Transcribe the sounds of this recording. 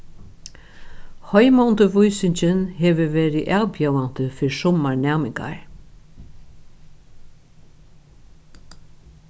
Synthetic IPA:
hɔjmɔnt̪əʋʊjsɪɲt͡ʃɪnhɛːʋəʋɛːɾɪʔaːwpjɛwan̥t̪əfɪɹsɔmaɹnɛːmɪŋka̰ɹ

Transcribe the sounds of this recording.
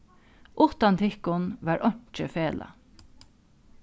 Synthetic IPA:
ʔʊt̪ɑnt̪ʰɪkʊnʋɑːɹʔɔɲ̥t͡ʃəfeːlʔɑ̰

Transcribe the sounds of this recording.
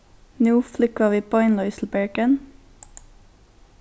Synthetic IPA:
nuːflʏkɑʋiːpʰoːɪnlɔʏsl̩bæɹɡən

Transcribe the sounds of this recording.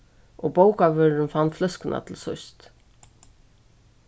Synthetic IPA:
ʔɔɣbowkavœːɾʏnfanːflœskɪnʔa̰t̪ʰɪlsɔst̪

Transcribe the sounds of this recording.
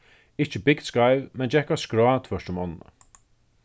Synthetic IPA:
ɪht͡ʃəbɪɡ̪skajvmɛnd͡ʒɛhkaskɾɔaːt̪ʰfœʂtəmɔnnə̰

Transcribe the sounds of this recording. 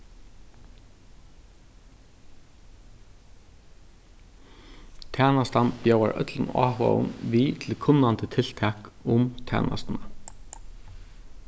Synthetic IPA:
t̪ʰæːnast̪anpjowaɹʔœ̰t̪lɪna̰ːɦɔa̰ʊ̰nʋit̪ʰɪlkʰʊnːant̪ət̪ʰɪl̥t̪ʰɛːkʊmt̪ʰæ̰ːnʔa̰st̪na

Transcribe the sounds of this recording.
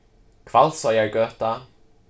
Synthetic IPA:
kʰv̥alˠsɔjaɹɡœːta

